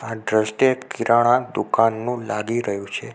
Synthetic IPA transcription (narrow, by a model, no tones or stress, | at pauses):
aɖɾəsʈekiɾaɽ̃ãd̪ukanːũlaɡiɾəɦjũt͡ʃʰe